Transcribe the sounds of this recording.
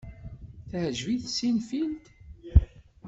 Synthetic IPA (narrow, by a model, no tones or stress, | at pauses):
θhəʒviθsinfint̪